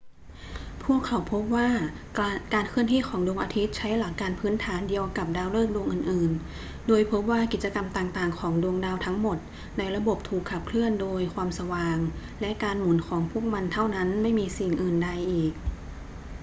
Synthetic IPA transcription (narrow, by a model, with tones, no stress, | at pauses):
pʰuː˥˩əkʰːa˩˦wpʰo˦˥p̚waː˥˩ | kaː˧nkʰɯ˥˩ənt̪ʰiː˥˩kʰɔː˩˦ŋdu˧əŋʔaː˧t̪ʰi˦˥t̪̚t͡ɕʰa˦˥jla˨˩˦kːaː˧npʰɯː˦˥nt̪ʰaː˩˦ndi˧əwka˨˩p̚daː˧wlɤː˥˩k̚du˧əŋʔɯː˨˩nʔɯː˨˩n | doː˧jpʰo˦˥p̚waː˥˩ki˨˩t̪̚t͡ɕa˧ka˧mt̪aː˨˩ŋt̪aː˨˩ŋkʰɔː˩˦ŋdu˧əŋdaː˧wt̪ʰa˦˥ŋmo˨˩t̪̚ | na˧jɾa˧bo˨˩p̚t̪ʰuː˨˩kʰːa˨˩p̚kʰlɯ˥˩əndoː˧jkʰwaː˧msa˧waː˧˩ŋ | lɛ˦˥ʔkaː˧nmu˩˦nkʰɔː˩˦ŋpʰu˥˩ək̚ma˧nt̪ʰa˥˩wna˦˥nma˥˩jmiː˧si˨˩ŋʔɯː˨˩nda˧jʔiː˨˩k̚